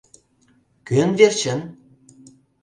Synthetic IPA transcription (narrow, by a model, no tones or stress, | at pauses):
kønvert͡ɕə̆n